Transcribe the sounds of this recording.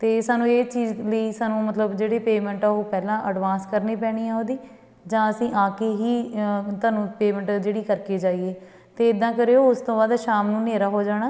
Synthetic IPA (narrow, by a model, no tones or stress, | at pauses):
t̪eːsaːnũːeːt͡ʃiːzləiːsaːnũːmət̪ləbd͡ʒeːɽeːpeːmɛ̃ɳʈaːɦoːpɛːlãːʔəɖʋãːnskəɾneːpɛːɽ̃iːaːõːd̪iː | d͡ʒãːəsĩːʔaːkeːɦiːt̪aːnũːpeːmə̃ɳʈd͡ʒeːɽiːkəɾkeːd͡ʒaːieː | t̪eːɪd̪ːãːkəɾeːoːʊst̪õːbaːd̪ʃaːmnũːneːɾaːɦoːd͡ʒaːɽ̃aː